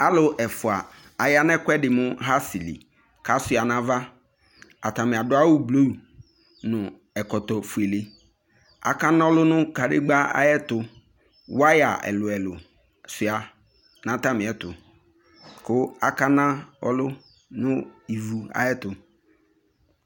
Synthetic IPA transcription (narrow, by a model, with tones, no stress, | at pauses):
a˦lʊ˨ʔɛ˨fʊ˨a˨ | a˨ja˦nɛ˦kʊ˦ɛ˦dɪ˨mʊ̃˦ɦa˦si˨lḭ˨ | ka˨sʊ˦˨a˨nã˨va˦ | a˨ta˨mɪ˨a˨dʊ˦a˦wʊ˦blo˦u˨ | nʊ̃˨ | ɛ˨kɔ˨tɔ˨fʊ˨e˨le˨ | a̰˨ka˦nã˦ɔ˦lʊ˦nʊ̃˦ka˨dɪ̰˦ɡ͡ba˦a̰˦jɛ˦tʊ˨ | wa˦ja˨ʔɛ̰˨lʊ˨ɛ˨lʊ̰˨ | sɪ˨a˨ | nã˨˦ta˦mɪ̃˨ɛ˨tʊ˨ | kʊ˦a˨ka˦nã˦ɔ̰˦lʊ˦ | nʊ̃˦i˨vu˨a̰˨jɛ˦tʊ˨